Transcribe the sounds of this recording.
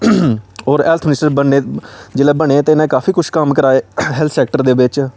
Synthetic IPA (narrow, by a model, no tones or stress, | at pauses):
ɔːɾɛːlt̪ʰmɪnɪsʈəɾbənːeːd͡ʒeːlɛːbəɳ̃eːt̪eːɪnẽːkaːfʰiːkʊʃʰkəmkəɾaːeːɦɛlt̪ʰsɛːk̚ʈəɾd̪eːbɪt͡ʃ